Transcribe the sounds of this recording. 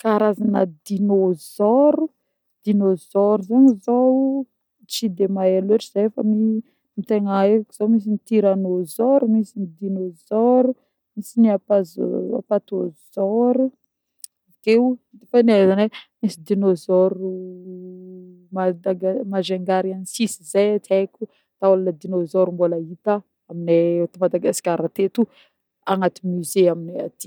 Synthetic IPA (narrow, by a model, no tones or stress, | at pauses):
kaɾazanə̰d̪inozɔɾu | d̪̥inozɔɾuzaɲizo | t͡ʃid̪emaaleʈ͡ʂiz̥efə̰mi | mit̪eŋaekiz̥awmis̬init̪iɾanozɔɾumisinid̪inozɔɾu | misiniapaz̰a̰pat̪oz̥ɔɾu | avkeud̪fanezanemisid̪inozɔɾu | mad̪aɡmazeŋɡaɾianisisizajat̪ʰajkʲu | t̪aulanad̪inozɔɾmbolait̪a | amineot̪imad̪aɡaskʲaɾat̪et̪u | aŋat̪imyzeaminiat̪i̥